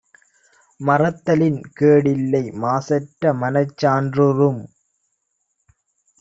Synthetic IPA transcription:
mɐrɐt̪ːɐlɪnkeːɽɪlːɐɪmaːsɐʈːɐmɐnɐɪt͡ʃːaːndrɯɾɯm

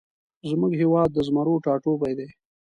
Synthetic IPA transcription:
zmʊɡɦewɑːd̪̚ːəzmaɾoʈɑːʈopajd̪e

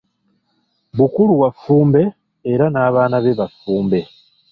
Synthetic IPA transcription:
βukuɾuwafuːmbe̞ː | ɾanaːβaːnaβe̞βafuːmbe̞

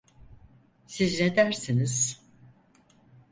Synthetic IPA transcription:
sizned̪æɾsiniz̥

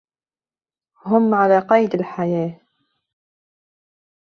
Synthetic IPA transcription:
ɦʊmʕalaqɑjd̪əlħajæ

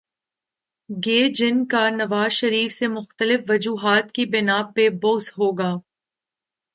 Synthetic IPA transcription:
ɡeːd͡ʒɪnkanɐʋaːzʃɐɾiːfsemʊxt̪əlɪfʋɐd͡ʒuːɦaːt̪kibɪnaːpeboːsɦoːɡaː

